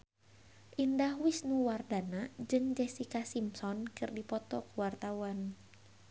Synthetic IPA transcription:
ʔindahwɪsnuwardanad͡ʒɨŋd͡ʒɛsikasimsɔnkɨrdipɔt̪ɔkuwart̪awan

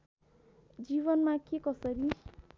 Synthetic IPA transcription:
d͡ziβʌnmakekʌsʌɾi

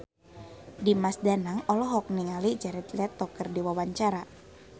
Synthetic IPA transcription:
dimasdanaŋɔlɔɦɔk̚niŋalid͡ʒaɾɛt̪lɛt̪ːɔkərdiwawaɲt͡ʃaɾa

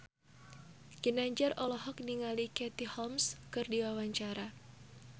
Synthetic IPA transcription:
kinaɲd͡ʒarɔlɔɦɔk̚niŋalikɛt̪ihɔmskɨrdiwawaɲt͡ʃaɾa

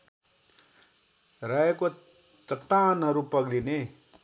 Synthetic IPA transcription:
rajeko | t̪ʌʈaːnɦʌɾupʌɡline

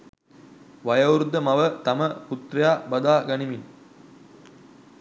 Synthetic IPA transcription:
ʋɐjɐːɾud̪ːɐmɐʋɐt̪ɐmɐput̪ɾɐjaːbɐd̪aːɡɐɳimin

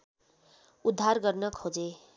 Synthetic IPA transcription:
ud̪ʱːarɡʌrnʌkʰod͡ze

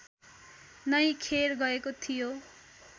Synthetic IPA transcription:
nʌjkʰeɾɡʌekot̪ʰijo

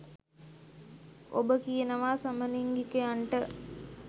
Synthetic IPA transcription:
o̰bəkijenəʋaːsaməliŋɡikejaɳʈə

